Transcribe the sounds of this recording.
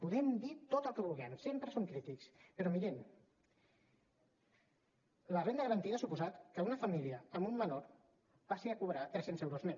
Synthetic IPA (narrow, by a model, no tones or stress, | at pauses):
puðɛmd̪it̪ot̪əlˠkəβulˠɣɛmsempɾəsoŋkɾit̪ikspəɾɔmiɾɛm | lərend̪əɣəɾənt̪iðəsupuzat̪kəunəfəmiliəəmumːənoɾ | basiəkuβɾat̪ɾɛsenzɛwɾozme